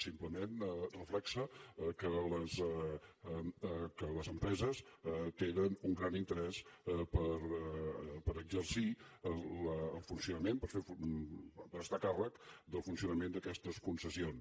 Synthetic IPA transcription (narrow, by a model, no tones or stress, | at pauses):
simpləmenrəflɛksəkələz | kələzəmpɾɛzəst̪enənuŋɡɾanint̪əɾɛspəɾ | pəɾəɡzəɾsiələːlˠfunsiunəmempəɾfef | pəɾəst̪akarəkd̪əlˠfunsiunəmend̪əkɛst̪əskunsəsion